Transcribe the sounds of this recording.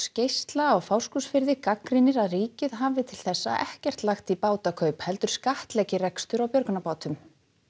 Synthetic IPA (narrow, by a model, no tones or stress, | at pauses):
scejst̪laɔwfawskusfɪɾðɪkakɾɪnɪɾaðriːcɪðɦavɪt̪ʰɪl̥θɛsːa̰ʔɛhcɛr̥t̪laxt̪ipaːwt̪akʰœɥphɛl̪t̪ʏɾ̥skaht̪lɛcɪrɛkst̪ʏɾawpjœɾknapaːwt̪ʏm